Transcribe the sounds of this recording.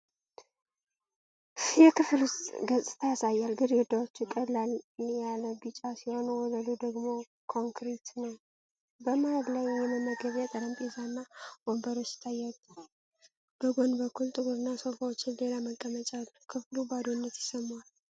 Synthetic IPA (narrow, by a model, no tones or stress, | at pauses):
jɛkʰɨflʊst̪ʼɡəzʼɨ̥t̪ʰəjasajːalɡɨɾd̪awot͡ʃːjɪkʼəlːaljaləbɨt͡ʃʼasiho̞nwɔləd̪ud̪əɡmo̞ | kʰo̞ŋkɾit̪nəw | bəmajəd̪lajjɛməmːəɡəβat̪ʼəɾəmpʼezanːawombəɾo̞t͡ʃːjɪ̥t̪ʰːajːat̪ | b̥əɡo̞nbəkʰːult̪ʼɨɡuɾɨnːasofawot͡ʃːɪnle̞laməkʼːəmət͡ʃʼalːukʰɨflubad̪onːət̪jɪsəmwal